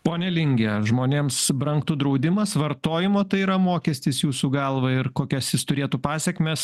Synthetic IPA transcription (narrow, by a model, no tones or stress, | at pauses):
poːnʲɛlʲɪŋʲɡʲɛʒmoːnʲeːmsbɾɐŋkt̪ʊd̪ɾɐʊd̪ʲɪmɐsʋɐɾt̪oːjɪmoːt̪ɐɪiːɾɐmoːkʲɛsʲt̪ʲɪsjuːsuːɡɑlˠʋɐɪɾkoːkʲɛsjɪst̪ʊɾʲeːt̪uːpɑːsʲɛkʲmʲeːs